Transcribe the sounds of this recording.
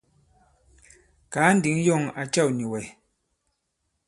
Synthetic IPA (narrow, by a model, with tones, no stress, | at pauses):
kaː˨˦n̩˦di˨˦ŋjɔ˦˨ŋa̰˨t͡ʃa˦˨wni˨wɛ˨